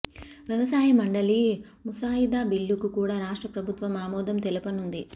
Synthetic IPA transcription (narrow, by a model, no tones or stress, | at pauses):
ʋjɐʋɐsaːjɐmɐɳɖɐli | musaːjid̪aːbiɭːukukuːɽaːɾaːʂʈɾɐpɾɐbʱut̪ʋɐmaːmɔːd̪ɐmt̪elupɐnund̪i